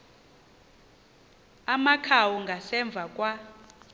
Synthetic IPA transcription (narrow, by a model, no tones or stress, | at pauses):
amakʰawɔŋɡʱasɛɱb̪vʱakʼwa